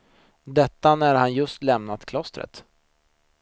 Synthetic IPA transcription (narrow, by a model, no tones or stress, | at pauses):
d̪ɛt̪ːanæɾhanjɵst̪lɛmnat̪kʰlɔst̪ɾə̰t̪